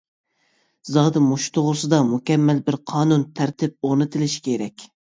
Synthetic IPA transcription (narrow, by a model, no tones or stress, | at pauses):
zɑːd̪ɨmoʃt̪ʰoʁʊɾsɨd̪ɑmukʲɛmːɛlbɪɾqʰɑːnunt̪ʰæɾt̪ʰɪp̚oʁnɨt̪ʰɪlɪʃi̥kʲʰeɾɛkʲ